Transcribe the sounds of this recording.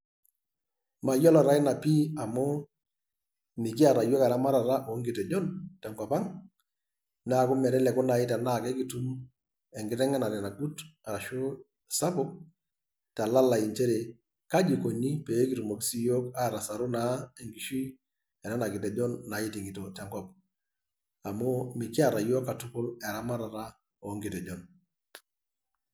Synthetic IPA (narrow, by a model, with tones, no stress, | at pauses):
ma˨jɔ˦lɔ˨ɾa˦ɪ˦na˨pi˦a˨mʊ˦ | mɪ˨kɪ˦a˨ɾa˨jɔ˦ka˨ɾa˦ma˦ɾa˨ɾa˦ʔo˨˦ŋɡɪ˨tɛ˨d͡ʒɔ˦ntɛ˨ŋka˨pa˦ŋ | na˦˨kʊ˦mɛ˨ɾɛ˦lɛ˨kʊ˦na˨ɪ˦tɛ˨na˦˨kɛ˦ki˨tu˦m | ɛ˨ŋɡɪ˦tɛ˦ŋɛ˦na˨ɾɛ˨na˨ɡu˦ta˨ɾa˨ʃʊ˦ | sa˦pʊ˦k̚ | ta˨la˦la˨i˨nt͡ʃe˦ɾe˨ | ka˦d͡ʒi˨ko˨ni˦pe˨˦ki˨tu˨mo˨ki˦si˦jo˦ka˦˨ɾa˨sa˨ɾʊ˦na˦e˨ŋɡi˨ʃi˦ | ɛ˨na˦na˨kɪ˨tɛ˨d͡ʒɔ˦nːa˨i˦ti˨ŋɡi˨to˨tɛ˦ŋkɔ˦p̚ | a˨mʊ˦mi˨kɪ˦a˨ɾa˨jo˦kːa˨tʊ˦kʊ˦lɛ˨ɾa˦ma˦ɾa˨ɾa˦ | o˨ŋɡɪ˨tɛ˨d͡ʒɔ˨n